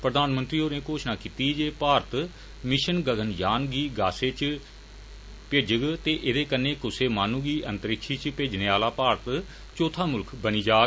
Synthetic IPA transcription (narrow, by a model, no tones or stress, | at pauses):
pɾəd̪aːnmənt̪ɾiːɦoːneːkoːʃnaːkiːt̪iːd͡ʒeːpaːɾət̪ | mɪʃənɡəɡənjaːnɡiːɡaːseːt͡ʃ | peːd͡ʒəɡt̪eːʔɪd̪eːkənːeːkʊseːmaːnũːɡiːʔənt̪əɾɪkʃiːt͡ʃpeːd͡ʒneːaːlaːpaːɾət̪ | t͡ʃoːt̪ʰaːmʊlkʰbəniːd͡ʒaː